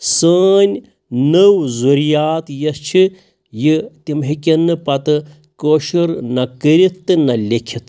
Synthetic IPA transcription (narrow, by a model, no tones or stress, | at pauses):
səːnʲ | nəwzuɾjaːt̪jɐst͡ʃʰi | jit̪ʲimɦikʲɐnːɨpɐt̪ɨ | koːʃiɾnɐkəɾit̪t̪ːɨnɐlʲekʲʰit̪